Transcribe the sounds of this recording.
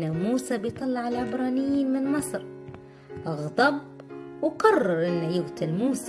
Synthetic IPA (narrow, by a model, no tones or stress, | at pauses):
amuːsabɪjt̪ˤɑlːɑʕalʕɪbɾˤɑːnɪjːinmɪnmɑsˤɾ | ʔɑɣd̪ˤɑb̚ | wqɑrˤːɑɾˤʔɪnːajʊɣt̪almuːs